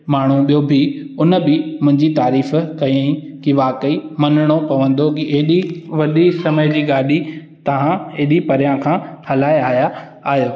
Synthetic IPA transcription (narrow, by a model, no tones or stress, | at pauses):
maːɳ̤ũɓijobʱɪʊnə̆bɪmʊ̃ɦɪ̃ɲd͡ʑit̪aːɾiːfkɐ̃ĩ | kiʋaːkəimɐnɪɽ̃opɐʋə̃nd̪okiʔeɦɗiʋɐɗisɐməjd͡ʑiːɡaːɗi | t̪ɐʋ̤ãeɦɪɗipɐɾjãkʰãːhɐlaːeaːɦja | aːɦijoː